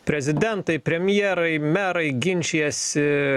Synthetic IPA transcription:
pʲɾʲɛzʲɪd̪ʲɛnt̪ɐɪpʲɾʲɛmʲjɛːɾɐɪmʲæːɾɐɪɡʲɪnʲt͡ʃʲiɛsʲɪ

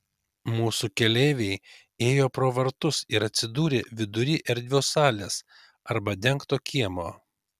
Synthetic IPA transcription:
muːsukʲɛlʲeːʋʲɛɪ | eːjoːpɾoːʋɐɾt̪ʊsɪɾɐt̪ʲsʲɪd̪uːɾʲɪʋʲɪd̪ʊɾʲiːʔɛɾʲd̪ʲʋʲoːsɑːlʲes | ɐɾbɐd̪ʲɛŋkt̪oːkʲiɛmoː

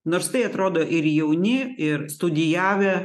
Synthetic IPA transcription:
noːɾst̪ɐɪɐt̪ɾoːd̪oːʔɪɾjɛʊnʲɪɪɾst̪ʊd̪ʲɪjæːʋʲɛ

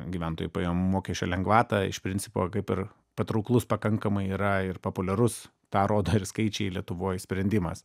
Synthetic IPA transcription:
ɡʲiʋʲɛnt̪o̰ːjʊpɐeoːmoːkʲɛʃʲt͡ʃʲo̰ːlʲɛŋɡʋɑːt̪ɐɪ̰ʃpʲɾʲɪnʲt͡ssʲɪpo̰ːkɐɪpɪr | pɐt̪ɾɐʊklˠʊspɐkɐŋkɐmɐɪiːɾɐɪrpopʊlʲɛɾʊs | t̪ɑːɾoːd̪oːɪrskɐɪt͡ʃʲɛɪlʲiɛt̪ʊʋoːjsʲpʲɾʲɛnʲd̪ʲɪmɐ̰s

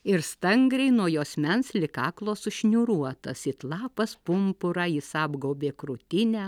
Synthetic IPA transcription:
ɪɾst̪ɐŋɡɾʲɛɪnuɔjoːsʲmʲɛnslʲɪkɑːklˠoːsʊʃʲnʲuːɾuɔt̪ɐsɪt̪lˠɑːpɐspʊmpʊɾɑːɪsɑːbɡoʊbʲeːkɾʊt̪ʲɪnʲæː

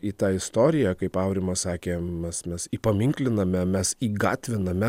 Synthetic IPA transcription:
iːt̪ɑːɪst̪oːɾʲɪjɛkɐɪpɑʊɾʲɪmɐsɑːkʲeːmʲɛsmʲɛsiːpɐmʲɪŋʲklʲɪnɐmʲɛmʲɛsiːɡɑ̰ːt̪ʲʋʲɪnɐmʲɛ

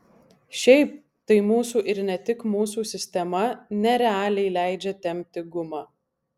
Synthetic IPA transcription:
ʃʲɛɪp̚ | t̪ɐɪmuːsuːʔɪɾnʲɛt̪ʲɪkmuːsuːsʲɪsʲt̪ʲɛmɐnʲɛɾʲɛɑːlʲɛɪlʲæˑɪd͡ʒʲɛt̪ʲɛmʲp̚ʲt̪ʲɪɡʊmɑː

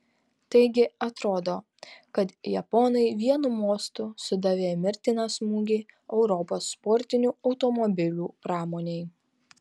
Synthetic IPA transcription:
t̪ɐɪɡʲɪɐt̪ɾoːd̪oː | kɐt̪jɛpɔnɐɪʋʲiɛnumoːst̪uːsʊd̪ɑʋʲeːmʲɪɾʲt̪ʲɪnɑsmuːɡʲiːɛʊɾɔpoːsːpɔɾʲt̪ʲɪnʲuːɒʊt̪ɔmɔbʲɪlʲuːpɾɑːmoːnʲeɪ

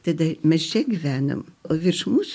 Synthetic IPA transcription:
t̪ɐd̪ɐmʲɛst͡ʃʲɛɡʲiʋʲæːno̰moːʋʲɪrʃmuːs

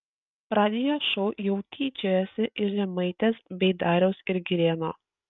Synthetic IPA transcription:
pɾɑːd̪ʲɪjoːʃɔʊjɛʊt̪ʲʰiːt͡ʃʲojɛsʲɪʔɪɾʒʲɛmɐɪt̪ʲeːsbʲɛɪd̪ɑːɾʲɛʊsɪɾɡʲɪɾʲeːno̰ː

